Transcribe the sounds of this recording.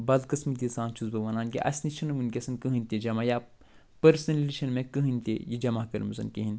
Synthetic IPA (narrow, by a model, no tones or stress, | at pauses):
bɐzkɐsmit̪̬ʲisãːnt͡ʃʰuzbɐʋɐnaːnkḭʔɐ̰sʲniʃʰɐnɐʋɨnkʲesɐnkɨɦɨnʲt̪id͡ʒɐmaja | pɐɾsnɐlʲliʃɐnmẽkɨɦɨnʲt̪ejid͡ʒɐmakɐɾmɐzɐ̰nkiɦin